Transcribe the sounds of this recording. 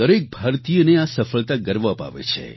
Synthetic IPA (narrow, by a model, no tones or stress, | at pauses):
əɾek̚bʱaɾt̪ijoneasəfəɭt̪aɡəɾʋapa̰ʋḛt͡ʃʰḛ